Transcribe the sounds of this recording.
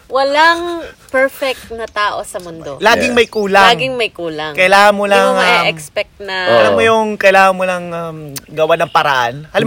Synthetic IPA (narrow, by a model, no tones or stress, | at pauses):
wɐlaŋpɛɹfɛk̚t̪nɐt̪aːʔosɐmʊnd̪olaːɡɪŋmɐjkuːlaɡɪŋmɐjkuːlɐŋkɐjɪlaːŋɐnmːʊlɐŋɛkspɛk̚t̪nɐʔɐlammojʊŋkɐjlaːŋɐŋmʊlɐŋamɡɐwanɐŋpɐɾɐʔanhɐlam